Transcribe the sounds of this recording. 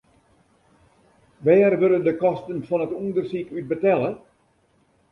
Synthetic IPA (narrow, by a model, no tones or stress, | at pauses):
ʋɛːrʋøləndəkɔstənfɔnətundərsikyt̚bətɛlə